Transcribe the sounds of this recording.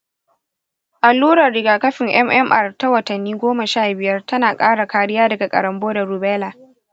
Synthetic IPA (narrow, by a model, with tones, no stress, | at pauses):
ʔa˨lːuː˦ɽɐ˨rɽɪ˨ɡaː˨kɐ˦ɸɪ˨ŋʔɛ˦mʔɛ˦mʔɐ˦rta˦wɐ˨tɐ˨nːiː˦ɡʷoː˦mɐ˨ʃaː˦˨bɪ˨jɐ˦rtɐ˦naː˨kʼaː˦ɽa˨kaː˨˦ɽɪ˦jaː˦dɐ˨ɡa˨kʼɐ̰˨ɾɐ˨mboː˦dɐ˨ɾu˨bɛː˦laː˨